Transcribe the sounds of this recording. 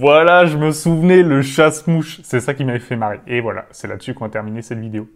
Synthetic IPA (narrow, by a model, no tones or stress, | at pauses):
vwalaʒəməsuvnɛləʃasmuʃsɛsakʲimavɛfɛmaʁeevwala̰sɛla̰d̪ə̥sykɔ̃vat̪ɛʁminesɛt̪vid̪eo